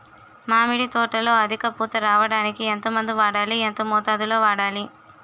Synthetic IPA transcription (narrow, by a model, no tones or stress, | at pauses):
maːmiɽit̪ɔːʈːɐlo̞ːɐd̪ʱikɐpuːt̪ɐɾaːʋɐɽaːnikient̪ɐmɐnd̪uʋaːɽaːlient̪ɐmɔːt̪aːd̪uloːʋaːɽaːli